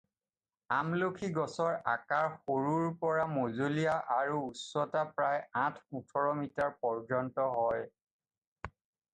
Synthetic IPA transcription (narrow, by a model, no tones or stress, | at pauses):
amlokʰiɡɔsɔɹa̰kaɹxoɹuɹpɔɹamozolijaʔaɹuːsɔtapɹajãtʰutʰɔɹɔmitaɹpɔɹd͡ʒɔntɔɦɔj